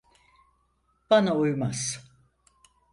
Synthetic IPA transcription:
b̥anaujmaz̥

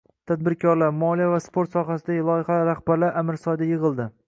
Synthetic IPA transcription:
t̪ʰad̪̚bɪɾkʰɒɾlaɾmɒlijavaspoɾt̪sɒɦasɪd̪aɡʲɪlˠɒjɪhalɾahbaɾlaɾʔamɪɾsɒd̪ajɨʁɨlˠd̪ɪ

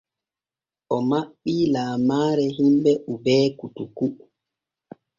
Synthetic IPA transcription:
ʔɔmaɓːilaːmaːɾɛɦimbɛʔubɛːkutuku

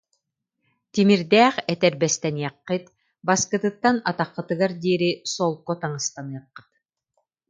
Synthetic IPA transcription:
t̪imiɾd̪ɛːχɛt̪ɛɾbɛst̪ɛnijɑqːɯt̪ | baskɯ̆t̪ɯt̪ːanat̪aqːɯ̆t̪ɯɡaɾd̪iːɾisɔlˠkːɔt̪aŋɯst̪anɯjɑqːɯ̥t̪̚

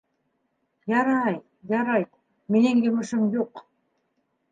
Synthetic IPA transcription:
jɑɾɑj | jɑɾɑj | menɘŋjɵ̆mɘ̆ʃɘmjuq

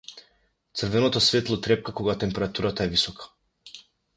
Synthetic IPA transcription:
t̪sr̩vɛnɔt̪ɔsvɛt̪lˠɔt̪ɾɛp̚kakoɡat̪ɛmpɛɾat̪uɾat̪aɛvisɔkḁ

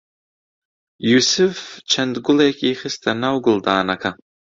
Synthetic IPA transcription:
jusɨft͡ʃʰɐndɡʷʊlekʰʲʼiːχɨstʰanawɡʊldaːnakʰa

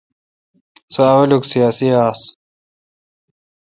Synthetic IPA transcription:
sawɐluksijaːsiaːs

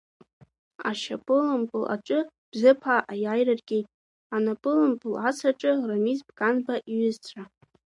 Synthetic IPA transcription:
a̰ʃapʼɨlɨmpʼɨlʔa̰ʈ͡ʂʷʼɨ | b̥zɨpʰaʔajajrarɡʲejtʼ | anapʼɨlɨmpʼɨlasʰaʈ͡ʂʼɨramizbɡʼanbaʔiɥʏzt͡sʰa

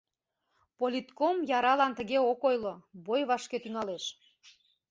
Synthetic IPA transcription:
polʲit̪komjɑɾɑlɑnt̪əɣeokojlobojβɑʃket̪yŋɑleʃ

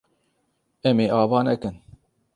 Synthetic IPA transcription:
ɛmeːʔɑːvɑːnɛkɨn

